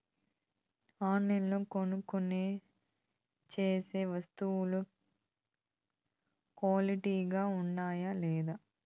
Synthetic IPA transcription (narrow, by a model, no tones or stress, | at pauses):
aːnːinloːkonukone | t͡ʃeːseːʋɐst̪uwulu | kwaːliʈiːɡaːuɳɖaːjalɛːd̪aː